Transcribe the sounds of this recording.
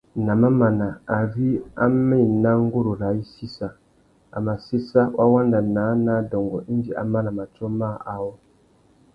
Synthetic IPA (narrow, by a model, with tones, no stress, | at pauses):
nã˨mã˦mã˨nã˨a˨ɾi˦a̰˦mmɪ̃˦˨nã˦ŋ̩˦ɡu˦ɾu˨ɾa˨˦i˦si˦sa˨ | a̰˨mã˨si˦sa˦wa˦wã˦n˦da˨nãː˨˦nã˦dɔ˨ŋ˨ɡɔ˨ʔi˦n˦d͡ʒi˨ʔa̰˨mã˦nã˨mã˨tɔ˦mã˦˨ʔa˨wɔ˦